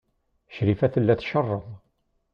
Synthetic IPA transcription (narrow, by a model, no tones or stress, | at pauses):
ʃɾifæθəlːæθʃərˤːəðˤ